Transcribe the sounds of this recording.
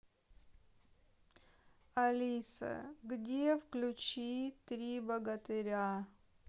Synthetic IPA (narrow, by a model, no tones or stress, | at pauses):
ɐlʲisə̰ɡdʲefklʲʊt͡ɕit̪ɾʲibɐɡət̪ɨɾʲa